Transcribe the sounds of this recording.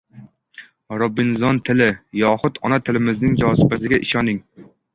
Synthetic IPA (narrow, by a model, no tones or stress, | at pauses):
ɾʊbːɪnzɒnt̪ʰɪlɪjɒχʊt̪ʰɒnat̪ʰɪlɪmɪznɪŋd͡ʒɒːsɪpæsɪɡʲɛʔɪʃɒnɪŋ